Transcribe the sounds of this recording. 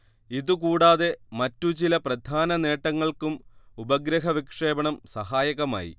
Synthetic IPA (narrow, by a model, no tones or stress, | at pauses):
iðukuːɽaːðe̞mɐtːut͡ɕilɐprɐd̪ʱaːnɐne̞ːʈːɐŋːɐɭkumubɐɡɾɐɦɐʋikʂe̞ːbɐɳɐmsɐɦaːjɐɣɐma̰ːjḭ